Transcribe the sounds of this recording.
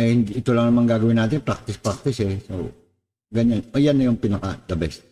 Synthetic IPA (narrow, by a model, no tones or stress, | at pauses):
ɛhind̪ɪːt̪ulaŋnɐmaŋɡaɡawinaːt̪ɪnpɾak̚t̪ɪspɾak̚t̪ɪshɛso | ɡaɲanojanːajʊŋpinɐkad̪ɐbɛs